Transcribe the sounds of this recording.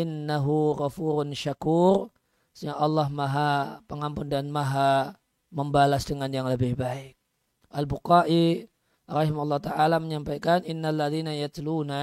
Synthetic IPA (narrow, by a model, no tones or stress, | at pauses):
ʔɪnːaɦuɣafuːɾʊnʃakuːr | səŋaʔɑlːɑhmaɦapəŋampʊndanmaɦa | məmbalasdəŋanjaŋləbɪhbaɪk̚ | ʔalbuqaʔi | ɾɑhimaulˤːɑht̪aʔalaməɲampajkanʔɪnːalːaðiːnajat̪luːna